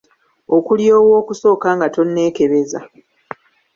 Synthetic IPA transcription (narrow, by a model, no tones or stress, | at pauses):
o̞kuljo̞ːwo̞ːkuso̞ːkaːŋɡato̞nːe̞ːke̞βe̞za̰